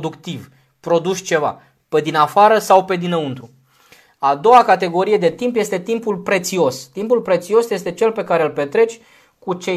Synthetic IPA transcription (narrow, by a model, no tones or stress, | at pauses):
d̪ukt̪iv | pɾo̞d̪uʃʲt͡ʃe̞va̰ | pe̞d̪inafaɾəsawpe̞d̪inəunt̪ɾu | ad̪o̞wakat̪e̞ɡo̞ɾije̞d̪e̞t̪impje̞st̪e̞t̪impulpɾe̞t̪sio̞st̪impulpɾe̞t̪sio̞sje̞st̪e̞t͡ʃe̞lpe̞kaɾe̞lpe̞t̪ɾe̞t͡ʃʲ | kut͡ʃe̞